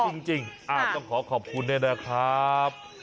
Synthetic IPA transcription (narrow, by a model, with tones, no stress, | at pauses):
t͡ɕi˧ŋt͡ɕi˧˩ŋʔaː˨˩ɔ˥˩ŋkʰɔː˩˦kʰɔː˨˩p̚kʰu˧ndɯ˥˩jna˦˥kʰɾa˦˥p̚